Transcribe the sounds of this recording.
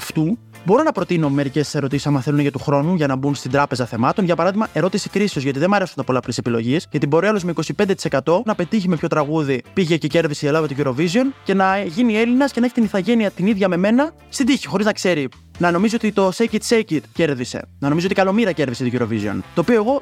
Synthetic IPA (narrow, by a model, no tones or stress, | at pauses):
ɐft̪u | bo̞ɾo̞nɐpɾo̞t̪ino̞me̞ɾicesse̞ɾo̞t̪isi̥sɐmɐθe̞luneʝɐt̪uxɾo̞nuʝɐnɐbunst̪ind̪ɾɐpe̞zɐθe̞mɐt̪o̞nʝɐpɐɾɐðiɣmɐʔe̞ɾo̞t̪isi̥kɾisiozʝɐt̪iðemɐɾe̞sunt̪ɐpo̞lɐpolesepilo̞̰ʝiesʝɐt̪ibo̞ɾiɐlozmeiko̞sipe̞nd̪et̪ise̞kɐt̪o̞nɐpe̞t̪içime̞pço̞t̪ɾɐɣuðipiʝecece̞ɾðiseelɐvet̪oʝuɾo̞vizio̞nce̞nɐʝinie̞linɐscenɐeçi̥t̪iniθɐʝe̞niɐt̪iniðʝɐme̞me̞nɐ | st̪ind̪içi̥xo̞ɾiznɐkse̞ɾi | nɐno̞mizio̞t̪it̪o̞secit̪secit̪ce̞ɾðise̞̰nɐnomizoot̪ikɐlo̞miɾɐce̞ɾðiset̪oʝuɾo̞vizio̞̰nt̪o̞ːpio̞e̞ɣo̞